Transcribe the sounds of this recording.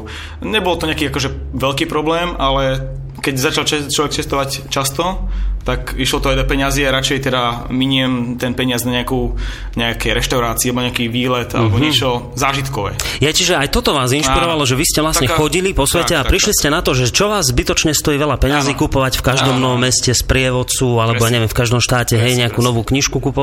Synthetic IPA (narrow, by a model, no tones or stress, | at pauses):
ɲɛbɔlt̪ɔɲɛakiːakɔʒɛ | ʋɛʎkiːpɾɔblɛːmalɛ | kɛɟzat͡ʃalɛt͡ʃlɔʋɛkt͡ʃɛst̪ɔʋact͡ʃast̪ɔt̪akiʃlɔt̪ɔajd̪ɔpɛɲɪaziaɾat͡ʃɛjt̪ɛd̪amiɲɛmt̪ɛnpɛɲɪaznaɲɛakuː | ɲɛakɛjɾɛʃt̪aʊɾaːt͡sialɛbɔɲɛakiːʋiːlɛt̪ʔa̰lɛbɔɲɪɛt͡ʃɔ | zaːʒit̪kɔʋɛ̰jɛcɛʒɛajt̪ɔt̪ɔʋaːzinʃpiɾɔʋalɔʒɛʋiscɛʋlasɲɛxɔɟilipɔsʋɛcɛapɾiʃliscɛnat̪ɔʒɛt͡ʃɔʋaːzzbit̪ɔt͡ʃɲɛst̪ɔjiːʋɛʎapɛɲaziːkupɔʋacfkaʒd̪ɔmnɔʋɔmːɛscɛspɾɪɛʋɔt͡suːalɛbɔjaːɲɛʋjɛmfkaʒd̪ɔmʃt̪aːcɛɦɛjɲɛakuːnɔʋuːkɲiʃkukupɔ